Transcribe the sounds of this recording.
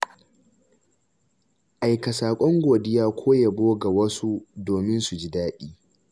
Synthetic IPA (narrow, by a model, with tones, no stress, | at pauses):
ʔa˨jkɐ˨saː˨kʷʼɔ˦ŋɡʷoː˨dɪ˦jaː˦kʷʰoː˦ja˨boː˦ɡa˨wɐ˦su˦doː˨mɪ˦nsu˨d͡ʒi˦daː˦ɗiː˦